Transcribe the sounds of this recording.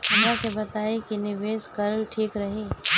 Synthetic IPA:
ɐmãkebɐt̪aːekinɪʋeːʃkɐlʈʰiːkɾɐɦeː

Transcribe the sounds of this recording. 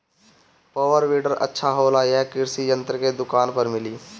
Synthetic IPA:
poːʋəɾʋiːɖəɾə̰tːʃʰaɦoːlaɦɛkɪɾsijə̃nt̪ɾəked̪ʊkaːnpəɾmɪliː

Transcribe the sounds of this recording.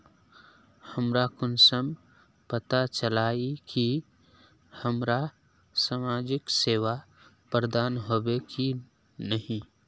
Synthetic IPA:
həmɾakʊnsəm | pət̪at͡ʃəlaːiki | həmɾa | samaːd͡ʒɪkseːʋa | pɾəd̪aːnɦoːbeki | nəɦĩ

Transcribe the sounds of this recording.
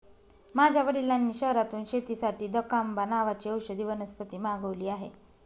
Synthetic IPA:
mad͡ʑʱjaʋəɽilːanːiːɕəɦɾat̪uːnɕet̪isaʈiːd̪əkambanaʋat͡ɕiːəwɕəd̪iʋənəspət̪iːmaɡəʋliːaɦḛ

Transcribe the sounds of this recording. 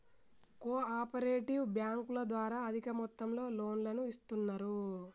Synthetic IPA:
koːaːpɐɾeːʈiwbjaːŋkulɐd̪ʋaːɾaːɐd̪ʱikɐmɔt̪ːɐmlo̞ːlo̞ːnlɐnuist̪unːɐɾu

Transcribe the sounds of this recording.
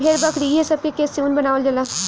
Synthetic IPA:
bʱeːɾbɐkʰɾiɦɛsɐb̚kekeːseuːnbɐnaːʋəld͡ʒɐlaː

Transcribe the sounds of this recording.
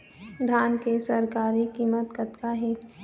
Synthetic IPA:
d̪ʱaːnkesəɾkaːɾikiːmət̪kət̪kaɦe

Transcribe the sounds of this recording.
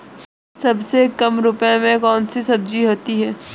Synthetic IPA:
sɐbsekɐmɾʊpjãmẽkɔːnsisɐb̚d͡ʒiɦoːt̪iɦɛː

